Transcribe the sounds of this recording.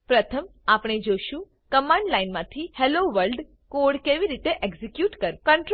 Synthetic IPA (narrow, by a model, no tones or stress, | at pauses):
pɾət̪ʰəmapɳ̃ed͡ʒoʃũ | kəmãɳɖlainmãt̪ʰiheloʋəɾlɖ | koɽkeʋiɾit̪eʔeɡzikjuʈkəɾkəɳʈɾ